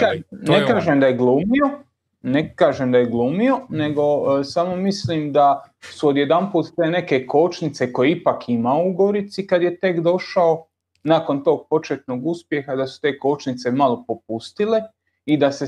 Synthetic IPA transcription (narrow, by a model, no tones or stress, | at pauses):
anekaːʒemd̪ajeɡluːmio̞ | nekaːʒemd̪ajeɡlˠuːmio̞ne̞ɡo̞samo̞misliːmd̪asuod̪je̞d̪anpuːt̪t̪ene̞ke̞ko̞ːt͡ʃnit̪se̞ko̞jeipakʰimauɡo̞ɾit̪sikad̪je̞t̪e̞kd̪o̞ʃao̞ | naːko̞nt̪o̞ːɡ̚po̞t͡ʃet̪no̞ːɡuspje̞xad̪asu̥t̪e̞ːko̞ːt͡ʃnit̪se̞malo̞po̞p̚ust̪ile̞ | id̪ase